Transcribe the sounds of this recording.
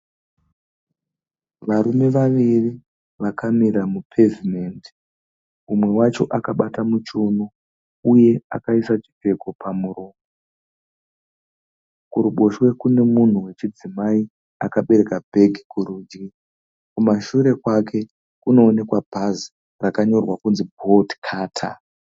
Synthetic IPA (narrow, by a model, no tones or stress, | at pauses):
ʋaɾume̞ʋaʋiri | ʋakamiɾamupʰe̞vimendi | umwe̞wat͡ʃo̞ʔakaɓatamut͡ʃuno | uje̞akaisat͡ʃi̥pe̞ko̞pamuroːmo | kuɾuɓo̞ʃwe̞kune̞mun̤uwe̞t͡ʃid͡zimai | akaɓe̞ɾe̞kabʱe̞ɡikuɾud͡ʒi | kumaʃuɾe̞kwake̞ | kuno̞ːne̞kwabʱazi | rakaɲo̞rwakunzibʱo̞dkʰaːtʰa̰